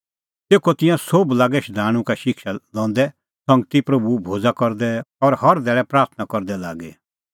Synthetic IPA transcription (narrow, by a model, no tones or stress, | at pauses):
t̪eːkɔt̪ɪ̃jãsoblaːɡɛʃd̪aːɽ̃ũkaʃɪkʰʃalɔ̃ːn̆d̪ɛ | sɐ̃ŋɡt̪ipɾɐbubʱoːd͡zakɔɾd̪ɛɔɾhɐɾd̪ɛːɭɛpɾaːɾt̪ʰnakɔɾd̪ɛla̰ːɡɛ